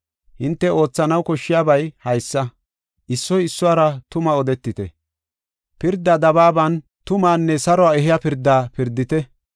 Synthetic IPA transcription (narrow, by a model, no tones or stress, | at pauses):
hɪnt̪ːɛo̞ːt͡sːɐnɐwkɔʃːɪjaːbɐjhɐjsːɐ | ʔɪsːɔjɪsːʊaːɾɐt̪ʊmɐɔd̪ɛt̪ːɪt̪ɛ̰ | pɪɾd̪ːaːd̪ɐbaːbɐn | t̪ʊmaːnːɛsɐɾɔaːɛɦɪjaːpɪɾd̪ːaːpɪɾd̪ːɪt̪ɛ